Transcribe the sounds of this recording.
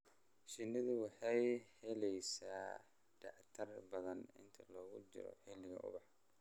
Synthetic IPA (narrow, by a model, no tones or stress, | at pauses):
ʃɪnːɪðʊwɑħɑjhɛlɛjsaː | ɖɑʕt̪ʰɐrbɐðɐnɪ̰nt̪ʰɐlɔːɣʊt͡ʃɪ̰ɾɔ̰ħɪlɪɣɐ̰ʔʊ̰βɑħ